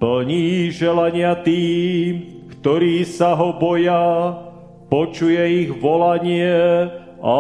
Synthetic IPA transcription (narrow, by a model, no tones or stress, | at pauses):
pl̩ɲiːʒɛlaɲɪat̪iːm | kt̪ɔɾiːsaɦɔbɔja | pɔt͡ʃujɛiɣʋɔlaɲɪɛ | ʔa